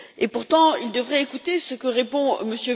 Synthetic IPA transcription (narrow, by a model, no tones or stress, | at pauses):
epuʁt̪ɑ̃ild̪əvʁɛekut̪esəkəʁepɔ̃məsjø